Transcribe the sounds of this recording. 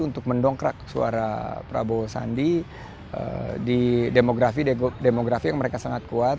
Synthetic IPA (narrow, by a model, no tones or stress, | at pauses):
unt̪ʊk̚məndɔŋkɾa̰ksṵa̰ɾa̰pɾa̰bosa̰ndi | ə̰didemoɡɾafidemoɡɾafijaŋməɾekasaŋat̪̚kuat̪